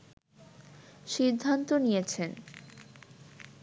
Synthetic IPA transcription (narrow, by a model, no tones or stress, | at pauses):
ʃid̪ʱːant̪onijet͡ɕʰen